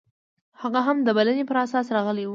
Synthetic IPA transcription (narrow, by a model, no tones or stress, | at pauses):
haɣaɦamd̪əbalanepəɾasɑsɾɑɣəlewu